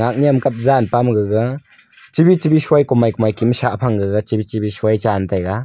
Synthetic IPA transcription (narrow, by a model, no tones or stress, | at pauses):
ak̚nijamkap̚zanpamɡɯɡɐ | t͡ʃibit͡ʃibisuajkɔmajkɔmajkimsapʰaŋɡɯɡat͡ʃibit͡ʃibisuajt͡ʃantʰajɡa